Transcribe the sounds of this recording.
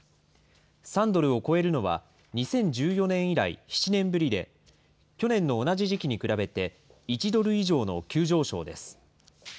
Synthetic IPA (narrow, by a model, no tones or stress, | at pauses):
sãnd̪o̞ɾɯ̟o̞ko̞e̞ɾɯ̟no̞β̞a̰ | ɲ̟isẽ̞ɲ̟d͡ʑɨːjo̞nẽ̞ɰ̃iɾaḭçi̥t͡ɕinẽ̞mbɯɾʲid̪e̞ | kʲo̞nẽ̞nːo̞ːnaʑiʑikʲiɲ̟ikɯ̟ɾabe̞t̪e̞ | it͡ɕid̪o̞ɾɯ̟iʑo̞ːno̞̰kʲɨːʑo̞ːɕo̞̰ːd̪e̞̰sɨ̥